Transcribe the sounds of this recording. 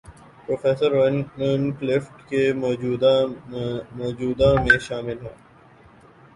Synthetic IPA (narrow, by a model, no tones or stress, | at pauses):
pɾoːfɛːsəɾʋɛ̃nnklɪfʈkemɔːd͡ʒud̪ | mɔːd͡ʒuːd̪amẽʃaːmɪlɦɛː